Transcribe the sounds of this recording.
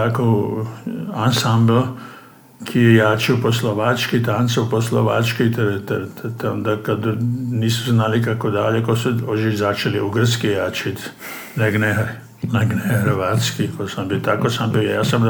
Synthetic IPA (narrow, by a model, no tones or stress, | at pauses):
t̪ako | ansamblo | kʰijejaːt͡ʃioposloʋat͡ʃkit̪ant̪seuposloʋa̰t͡ʃkit̪eɾt̪t̪t̪ond̪akad̪niːsuznalikakod̪aʎekosuoʒizat͡ʃeliuɡr̩skijaːt͡ʃit̪ | neɡne | naɡnehəɾʋaːt̪skikosambit̪akosambija̰ːsam